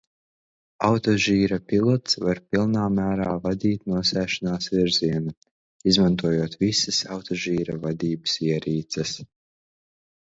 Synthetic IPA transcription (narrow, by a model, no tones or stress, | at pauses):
awt̪ɔʒiːɾapilˠɔt̪svaɾpilˠnaːmæːɾaːvad̪ʲiːt̪nuɔsæːʃanaːsviɾziɛna | izmant̪uɔjuɔt̪visasawt̪ɔʒiːɾavad̪iːbɨsiɛɾiːt̪sɛs